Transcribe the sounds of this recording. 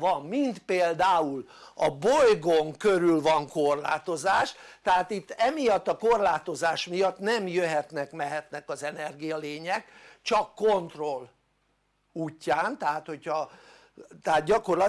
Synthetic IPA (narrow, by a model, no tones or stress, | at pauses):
vɒmːint̪peːld̪aːulɒbojɡoŋkø̞ɾylvɒŋko̞rla̰ːt̪o̞zaːʃt̪ɛɦaːt̪it̪ːɛmijɒt̪ːɒko̞rlaːt̪o̞zaːʃmijɒt̪nɛmjøɦɛt̪nɛkmɛɦɛt̪nɛkɒzɛnɛrɡijɒleːɲɛkt͡ʃɒkːo̞nt̪ro̞l | uːcːaːnt̪ɛɦaːt̪ho̞chɒ | t̪ɛaːt̪̚ɟɒko̞rlɒ